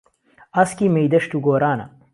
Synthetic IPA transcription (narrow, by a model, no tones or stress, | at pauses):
ɐskimejd̪ɐʂʈ̪uɡoːɾaːnɐ̰